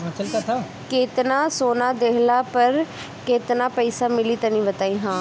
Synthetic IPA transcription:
t͡ʃəkət̪ʰa | kɪːt̪naːsoːnaːd̪eːlaːpəɾ | keːt̪naːpɛisaːmɪliːt̪ənĩːbət̪aːiːɦãː

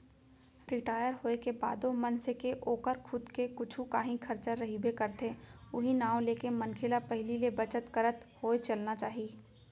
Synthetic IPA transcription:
ɾɪʈaːjəɾɦoːekeba̰ːd̪omɐnsekeʔoːkəɾkʰʊd̪kekʊt͡ʃʰũkaːɦĩkʰɐɾt͡ʃəɾːɐɦibʱekɐɾt̪ʰeʊɦinaːʋõleːkemə̃nkʰɪlapɛɦlilebɐt͡ʃət̪kəɾət̪hoːet͡ʃɐlnat͡ʃaːɦiː

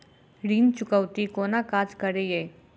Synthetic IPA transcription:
ɾiːnt͡ʃʊkəwt̪ikoːnakaːd͡ʒkəɾejeː

